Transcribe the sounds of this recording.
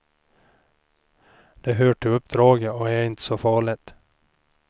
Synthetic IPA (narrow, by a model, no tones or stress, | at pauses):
d̪̥ɛɦøːʈʰɪɵpːd̪ɾɑːɡəɔæɾɪnt̪ə̥sɔfɑːɭɪt̪